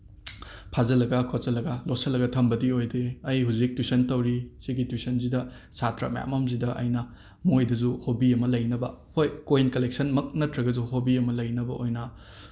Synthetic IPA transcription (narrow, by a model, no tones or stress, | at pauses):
pʰazɐlɐɡɐkʰozɐlɐɡɐlosɐlɐɡɐtʰɐmbɐdiojdeɐjɦuzik̚twisɐntɐwɾisiɡitwisɐnzidɐ | satɾɐ̰mja̰mɐmzidɐʔɐ̰jnɐ | mojdɐzuhobiɐmɐlɐjnɐbɐhojkoinkɐlek̚sɐnmɐk̚nɐtʰɾɐɡɐzuhobiɐmɐlɐjnɐbɐʔojnɐ